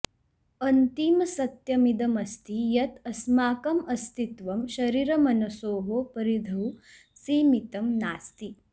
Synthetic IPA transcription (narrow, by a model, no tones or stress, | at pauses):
ɐnt̪imɐsɐt̪jɐmid̪ɐmɐst̪ijɐt̪ɐsmaːkɐmɐst̪it̪ʋɐmʃɐɾiɾɐmɐnɐsoːɦoːpɐɾid̪ʱɐw | siːmit̪ɐmnaːst̪i